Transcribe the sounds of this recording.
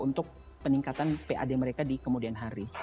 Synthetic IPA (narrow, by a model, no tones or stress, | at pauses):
unt̪ʊk̚ | pəniŋkat̪anpeʔa̰deməɾekadikəmudianɦaɾi